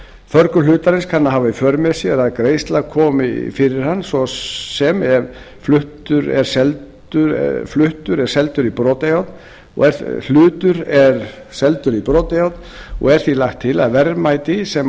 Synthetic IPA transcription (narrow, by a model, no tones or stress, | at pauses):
fœɾkʏlʏːt̪aɾɪnskʰanːaɦaːvaifœːɾmɛsjɛɾaðkɾeːjst̪laɣkʰɔːmɪfɪɾɪɾ̥anːsɔsɛmɛɾ | flʏht̪ʏɾɛ̰ɾ̥sɛlt̪ | ʏɾ̰flʏht̪ʏɾɛɾ̥sɛlt̪ʏɾipɾoːt̪ejawt̪n | ɔ̰ɣɛɾl̥ʏːt̪ʏɾɛɾ | sɛlt̪ʏɾipɾoːt̪ejawt̪nɔ̰ɣɛɾ̥θilaxt̪ʰːɪlaðvɛɾmajt̪ɪsɛm